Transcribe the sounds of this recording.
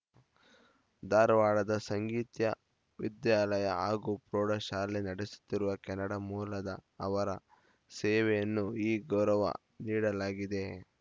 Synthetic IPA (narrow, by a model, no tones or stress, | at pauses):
d̪aːɾʋaːɭɐd̪ɐsɐŋɡiːt̪jɐ | ʋid̪jaːlɐjɐ̰aːɡupɾoːɽɐʃaːɾlinɐɽesu̥t̪ːiɾuʋɐkɛnːɐɽɐmuːlɐd̪ɐːʋɐɾɐ | sɛːʋɛjɐnːuiːɡɐɾɐʋɐ̰ | niːɽɐlaːɡid̪e̞